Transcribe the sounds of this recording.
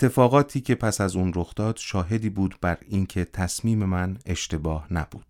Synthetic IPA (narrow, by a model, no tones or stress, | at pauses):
et̪ʰːe̞fɒːɣɒːt̪ʰiːcʲʰe̞pʰæsæzuːnɾoxd̪ɒːd̪̥ʃɒːɦe̞d̪iːbuːd̪bæɾiːncʰe̞t̪ʰæsmiːme̞mæne̞ʃt̪e̞bɒːhnæ̰b̥uːd̪̥